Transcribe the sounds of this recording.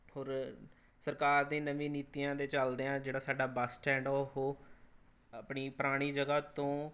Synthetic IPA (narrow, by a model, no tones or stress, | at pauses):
hoːɾ | səɾkaːɾd̪ẽːnəʋĩːniːt̪ijãːd̪eːt͡ʃəld̪eːãːd͡ʒeːɽaːsaːɖaːbəsʈɛ̃ːɳɖoɦoː | əpɳiːpəɾaːɽ̃iːd͡ʒəɡaːt̪õː